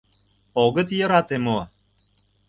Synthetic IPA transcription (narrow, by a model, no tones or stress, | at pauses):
oɣə̆t̪jə̆ɾɑt̪emo